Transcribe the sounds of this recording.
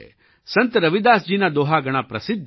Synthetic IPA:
sɐ̃nt̪ɾɐʋid̪aːsd͡ʒiːnad̪oːɦaɡɐɽ̃apɾɐsɪd̪ʱː

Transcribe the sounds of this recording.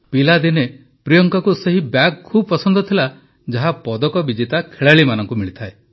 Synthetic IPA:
pilad̪ine | pɾijɔŋkɔkuseɦibakkʰːubɔpɔsɔnd̪ɔt̪ʰila | d͡ʒaɦapɔd̪ɔkɔbid͡ʒit̪akʰeɭaɭimanɔŋkumiɭit̪ʰae

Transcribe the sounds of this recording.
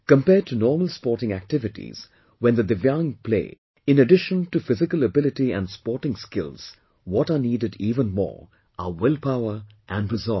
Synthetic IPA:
kə̃mpɛːtʰunɔːməlˠspɔːtɪ̃ŋæ̰k̚tɪvɪtḭz̥ | wɛ̃nd̪əd̪ɪvjãŋpʰlḛː | ɪ̃nəɖɪʃə̃ntufɪzɪkələbɪlɪʈiæ̰̃ndspɔɹʈɪ̃ŋskɪlz̥ | wɔtəniːdɨdiːvə̃nmɔ̰ːɹ | ʔəwɪlˠpaʊə˞ | ʔæ̃nɹɪzɔ

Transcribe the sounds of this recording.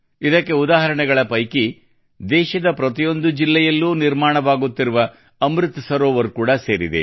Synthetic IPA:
id̪ɐkːe̞ud̪aːɦɐɾɐɳɛɡɐɭɐpɐjki | d̪ɛːʃɐd̪ɐpɾɐt̪̬ijo̞nd̪ud͡ʒilːɛjɐlːuːniɾmaːɳɐʋaːɡut̪ːiɾuʋɐ | ɐmɾit̪ːsɐɾoːʋɐɾkuːɽɐse̞ːɾid̪ḛ

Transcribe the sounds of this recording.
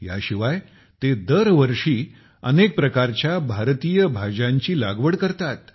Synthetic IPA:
ja̰ɕiʋaj | t̪ed̪əɾʋəɾʂiː | ə̰nek̚pɾəkaɾt͡ɕjabʱaɾt̪ijəbʱad͡ʑãɲt͡ɕiːlaɡʋəɽkəɾt̪at̪

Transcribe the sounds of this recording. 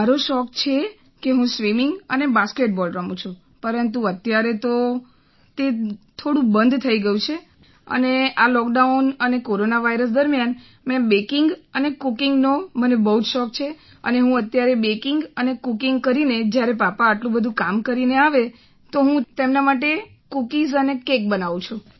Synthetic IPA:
aɾoʃɔkt͡ʃʰe | keɦũsʋimɪŋɡənebaskeʈ̚bɔlɾəmũt͡ʃʰũ | pəɾənt̪̬uət̪jaɾet̪o | t̪et̪ʰoɽũbənd̪ʱt̪ʰəiɡəjũt͡ʃʰe | ə̰nealɔk̚ɖaunənekoɾonaʋaiɾəs̬d̪əɾmjan | mɛ̃bekɪŋɡənekukɪŋɡnomənebəɦud͡ʒʃɔk̚t͡ʃʰe | ə̰neɦũət̪jaɾebekɪŋɡənekukɪŋɡ̚kəɾined͡ʒjaɾepapaːʈlũbəd̪ʱũkamkəɾineaʋe | t̪oɦũt̪emnamaʈ̬e | kukizənekek̚bənaʋũt͡ʃʰũ

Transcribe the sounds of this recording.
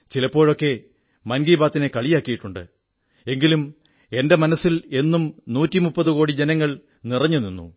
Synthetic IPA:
t͡ɕilɐpːo̞ːɻo̞kːe̞ | mɐnɡiːbaːt̪ːine̞kɐɭijaːkːijiʈːuɳɖɨ̰ | e̞ŋɡilum | e̞nde̞mɐnɐsːile̞nːumnuːtːimupːɐðukoːɽid͡ʑe̞nɐŋːɐɭ | nirɐɲːuninːṵ

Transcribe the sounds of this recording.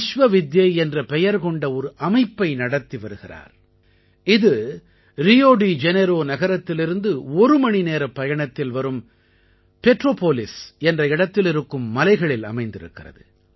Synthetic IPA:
ʂʋɐʋɪd̪jɐɪɛndrɐpɛjɐɾkɔɳɖɐɔɾɯʔɐmɐɪpːɐɪnɐɽɐt̪ːiʋɐɾɯɣɪra̰ːɾ | ɪðɯ | ɾɪjoːɽid͡ʒɛnɛɾoːnɐɣɐɾɐt̪ːɪlɪɾɯnd̪ɯɔɾɯmɐɳineːɾɐpːɐjɐɳɐt̪ːɪlʋɐɾɯm | pɛʈroːpoːlɪsɛndrɐɪɽɐt̪ːɪlɪɾɯkːɯmːɐlɐɪɣɐɭɪlɐ̰mɐɪnd̪ɪɾɯ̰kːɪrɐ̰ðɯ

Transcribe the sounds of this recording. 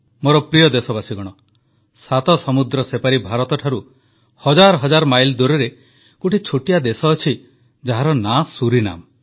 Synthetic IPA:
moɾɔpɾijɔd̪esɔbasiɡɔɽ̃ɔ | sat̪ɔsɔmud̪ɾɔsepaɾibʱaɾɔt̪ɔʈʰaɾu | hɔd͡ʒaɾɔɦɔd͡ʒaɾɔmajld̪uɾeɾe | kuʈʰit͡ʃʰoʈijad̪esɔːt͡ʃʰi | d͡ʒaɦaɾɔnasuɾina̰m

